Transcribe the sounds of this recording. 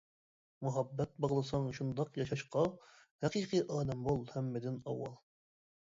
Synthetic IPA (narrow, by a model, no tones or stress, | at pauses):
muɦɑbːɛt̪̚bɑʁlˠɨsɑŋʃund̪ɑqjɑʃɑʃqɑ | hæqiːqʰɨʔɑːlɛmbolˠhɛmːɪd̪ɪnɑwːɑlˠ